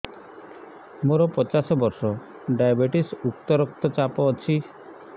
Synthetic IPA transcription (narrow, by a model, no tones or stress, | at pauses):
moɾɔpɔt͡ʃasɔbɔɾsɔ | ɖajabeʈisukt̪ɔɾɔk̚t̪ɔt͡ʃapɔːt͡ʃʰi